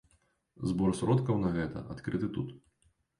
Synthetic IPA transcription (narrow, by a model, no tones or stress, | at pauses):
zbɔrsɾɔt̪kɐwnɐɣɛt̪ɐ̰at̪kɾɨt̪ɨt̪ut̪